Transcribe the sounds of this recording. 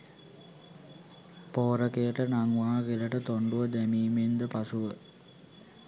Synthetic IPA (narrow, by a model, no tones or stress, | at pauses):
poːɾəkejəʈənaŋʋaːɡilɐʈət̪oɳɖuʋəd̪æmiːmend̪əpasuʋə